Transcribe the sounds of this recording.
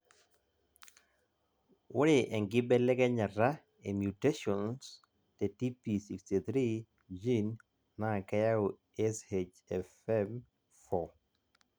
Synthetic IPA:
wʊ˦ɾɪ˨ʔɛ˨ŋɡɪ˦bɛ˦lɛ˦kɛ˦ɲa˨ra˦ | e˨mju˨te˦ʃɔ˨ns | te˨ti˦pi˨si˨ksti˨t̪ɾi˦ | d͡ʒi˦nː | a˦˨kɛ˦ja˦o˨ | ɛ˦shed͡ʒ | ɛfɛm | fɔ˨

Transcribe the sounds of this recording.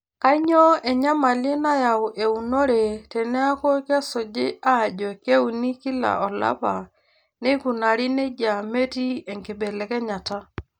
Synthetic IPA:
ka˦ɲɔ˦ɛ˨ɲa˦ma˨le˦na˦ja˨wʔe˨u˨no˦ɾe˨tɛ˨nɛ˦a˦ko˦ka˦so˨d͡ʒe˦a˦˨d͡ʒɔ˨ke˦u˨ni˦ki˦la̰˨ɔ˨la̰˦pa˨ | ne˦ku˨na˨ɾi˦ne˦d͡ʒa˨me˦ti˦ɛ˨ŋke˨bɛ˨lɛ˨kɛ˦ɲa˨ta˦

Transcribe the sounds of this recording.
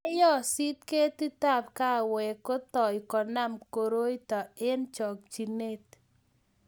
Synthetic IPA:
ɛ˦jɔ˦si˦t̪ke˦t̪i˦t̪a˦˨p̚ka˦˨wɛ˨kɔ˦t̪ɔ˨ɪ˨kɔ˨na˦mko˨ɾo˦i˦t̪ɔ˨e˦nt͡ʃɔ˨k̚t͡ʃi˨ne˦t̪

